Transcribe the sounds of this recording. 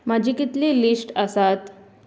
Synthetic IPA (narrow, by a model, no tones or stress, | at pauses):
mad͡ʑʱikit̪lilisʈəsat̪